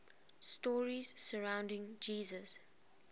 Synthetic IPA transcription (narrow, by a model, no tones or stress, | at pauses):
stɔːɹiz̥səɹãʊ̃ndɪ̃ŋd͡ʒiːzəs